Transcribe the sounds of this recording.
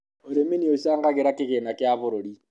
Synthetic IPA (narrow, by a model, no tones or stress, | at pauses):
oɾeminioʃaːŋɡaɣeɾakɪɣenakɪaβʊɾoɾi